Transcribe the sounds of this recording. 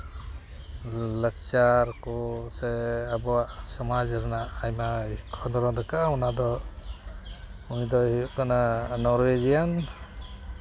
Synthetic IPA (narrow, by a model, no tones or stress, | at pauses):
lək̚t͡ʃaɾkɔseabɔwasɔmazɯɾnaːjmakʰɔnd̪ɔɾɔd̪akaaɔnad̪ɔ | uŋdɔupkananɔɾwezijan